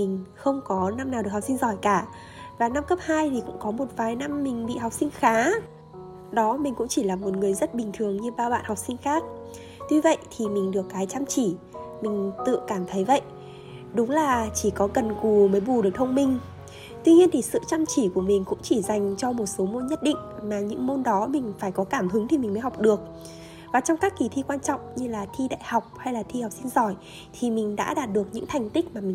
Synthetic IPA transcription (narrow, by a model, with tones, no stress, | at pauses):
mï˨˩ŋ̟xə˧wŋ͡mkɔ˨˦na˧mnaː˨˩wɗɨ˨˩ək̚hk͡p̚si˧ŋzɔ˧˩jkaː˧˩ | vaː˨˩na˧mkə˦˥p̚haː˧jt̪ʰi˨˩kʊ̰˧˥ŋ͡mkɔ˨˦mo˨˩t̚vaː˨˩jna˧mːï˨˩ŋ̟ɓḭ˧˨ɦa˨˩wk͡p̚sï˧ŋ̟xaː˨˦ | ɗɔ˨˦mï˨˩ŋ̟kʊ̰˧˥ŋ͡mt͡ɕi˧˩laː˨˩mo˨˩t̚ŋɨ˨˩əjzə˦˥t̚ɓï˨˩ŋ̟t̪ʰɨ˨˩əŋɲɨ˧ɓaː˧wɓa̰ː˧˨nha˨˩wk͡p̚sï˧ŋ̟xaː˦˥k̚ | t̪wi˧və̰˧˨jt̪ʰi˨˩mi˨˩ŋ̟ɗɨ˨˩əkːaː˨˦jt͡ɕaː˧mt͡ɕi˧˩ | mï˨˩ŋ̟t̪ɨ̰˧˨kaː˧˩mt̪ʰə˨˦jvə̰˧˨jʔ | ɗʊ˨˦ŋ͡mlaː˨˩t͡ɕi˧˩kɔ˨˦ɣə˨˩nku˨˩məː˨˦jɓu˨˩ɗək̚t̪ʰə˧wŋ͡mmï˨˩ŋ̟ | t̪wi˧ɲi˧ənt̪ʰi˨˩sɨ̰˧˨t͡ɕaː˧mt͡ɕi˧˩ku˧˩əmï˨˩ŋ̟kʊ̰˧˥ŋ͡mt͡ɕi˧˩za˨˩jŋ̟t͡ɕɔ˧mo˨˩t̚so˨˦mo˧nɲə˦˥t̚ɗḭ˧˨ŋ̟maː˨˩ɲɨ̰˧˥ŋmo˧nɗɔ˨˦mï˨˩ŋ̟faː˧˩jkɔ˨˦kaː˧˩mhɨ˨˦ŋt̪ʰi˨˩mï̟˨˩mə˨˦ɦa˨˩wk͡p̚ɗɨ˨˩ək̚ | vaː˨˩t͡ɕɔ˧wŋ͡mkaː˦˥kːi˨˦t̪ʰi˧kwaː˧nt͡ɕɔ̰˧˨wŋ͡mɲɨ˧laː˨˩t̪ʰi˧ɗa̰ː˧˨jha˨˩wk͡p̚ha˧jlaː˨˩t̪ʰi˧ha˨˩wk͡p̚si˧nzɔ˧˩j | t̪ʰi˨˩mï˨˩ŋ̟ɗa̰ː˧˥ɗaː˨˩t̚ɗɨ˨˩ək̚ɲɨ̰˧˥ŋt̪ʰa˨˩jŋ̟t̪ï˦˥k̚maː˨˩mï˨˩ŋ